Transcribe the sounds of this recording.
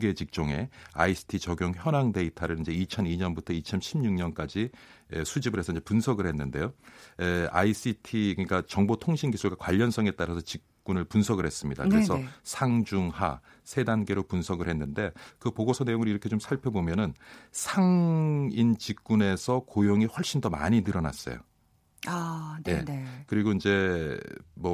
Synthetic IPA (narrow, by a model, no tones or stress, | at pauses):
ɡe̞t͡ɕik̚t͡ɕ͈oŋe̞a̰isʰɯ̥tʰit͡ɕʌɡjoŋçjʌnaŋde̞itʰaɾɯind͡ʑe̞it͡ɕʰʌniɲʌnbutʰʌit͡ɕʰʌmɕʰimɲuŋɲʌnk͈ad͡ʑiḛsʰud͡ʑibɯɾɦe̞sʰʌiɲd͡ʑe̞punsʰʌɡɯɭhenːɯnde̞jo | a̰is͈itʰikɯɲik͈at͡ɕʌŋbotʰoŋɕʰinɡisʰuɭɡakwaʎːʌns͈ʰʌŋe̞t͈aɾasʰʌt͡ɕik̚k͈unɯɭpunsʰʌɡɯɭhe̞s͈ɯmɲida̰kkɯɾesʰʌsʰaŋd͡ʑuŋha̰ | sʰe̞danɡe̞ɾopunsʰʌɡɯɭhe̞nːɯnde̞kɯpoɡosʰʌne̞joŋɯɾiɾʌkʰet͡ɕomsʰaɭpʰjʌbomjʌnɯnsʰaŋint͡ɕik̚k͈une̞sʰʌkojoŋiɸwʌɭɕ͈indʌma̰ɲinɯɾʌna̰s͈ʌ̰jo̰ | aje̞̰kɯɾiɡoind͡ʑe̞ | mʌ